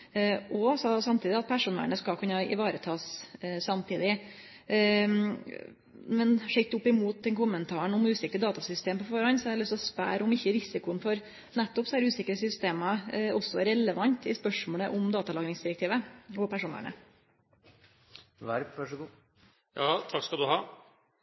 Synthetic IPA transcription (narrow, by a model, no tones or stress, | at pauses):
ʔɔsɑsɑmt̪ʰiːd̪ɪɑt̪̚pʰæʂuːnʋæ̰ɳəskɑkʰʉnːɑɪ̰ʋɑːɾət̪ʰɑːssɑmt̪ʰiːd̪ɪ | mɛnʂɛt̪ʊpːɪmuːt̪̚d̪ɛnkʊmənt̪ʰɑːəɳʊmʉːsɪkɾəd̪ɑːt̪ɑsʏst̪eːmpɔfɔːɾɑnsɔɛlʏst̪ɔspæ̰ːɾʊmɪçːəɾɪsɪkʊənfɔɾ | nɛt̪ːɔpsɔæɾʉːsɪkɾəsʏst̪eːmɑɔsːɔɾɛləʋɑnt̪ʰɪspœʂmɔːləʔʊmd̪ɑːt̪ɑlɑːɡɾɪŋsd̪ɪɾɛk̚t̪ʰiːʋəɔpæʂuːnæ̰ɳə̰ | ʋæɾʋæʂɡː | jɑːt̪ʰɑkskɑld̪ʉhɑː